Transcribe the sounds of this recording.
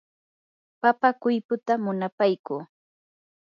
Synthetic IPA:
papakʊjpʊt̪amʊnapajkuː

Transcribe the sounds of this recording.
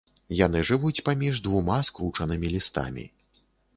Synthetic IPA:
janɨʐɨvut͡sʲpamʲiʐd̪vumaskɾut͡ʂɐnɨmʲilʲist̪a̰mʲḭ

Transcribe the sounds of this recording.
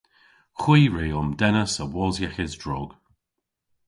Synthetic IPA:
xwiːɹeːɔmdɛnəsəwɔːzjɛxɪzdɹɔːɡ̥

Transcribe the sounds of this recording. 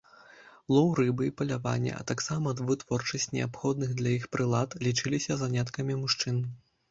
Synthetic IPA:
lˠɔwɾɨbɨipɐlʲava̰nʲːɛ̰ʔɐ̰t̪aksamɐd̪vɨt̪vɔrt͡ʂɐsʲt͡sʲnʲɛ̰apxɔd̪̚nɨɣd̪lʲɐjixpɾɨlˠat̪lʲit͡ʂɨlʲisʲɐzanʲat̪kɐmʲimuʂt͡ʂɨn

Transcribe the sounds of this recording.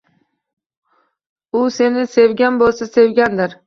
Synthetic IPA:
ʊse̞nɪse̞vɡʲanbolˠsase̞vɡʲand̪ɪɾ

